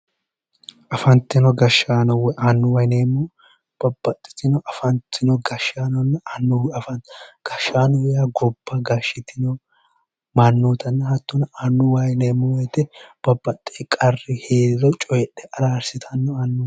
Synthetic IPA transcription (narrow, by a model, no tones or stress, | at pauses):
ʔɐfɐnt̪ːɪnɔɡɐʃːaːnɔwɛʔanːʊwɐjneːmɔ | b̥ɐbːɐt̪ʼːɪ̥t̪ɪnɔʔɐfɐnt̪ːɪnɔɡɐʃaːnɔnːɐanːfɐɡ̥ɐʃːaːnɔwɛjaɡɔbːɐɡɐʃɪt̪ɪnɔ | mɐnːuːt̪ɐnːɐhɐt̪ːʊnɐanːʊwɐjneːmːɔwɛjt̪ɛb̥ɐbːɐt̪ʼːekʼɐrːɪheːd̪ɪɾɔt͡ʃʼɔjɛɗːɛʔɐɾaːɾsɪt̪ʰɐnːɔɐnːʊ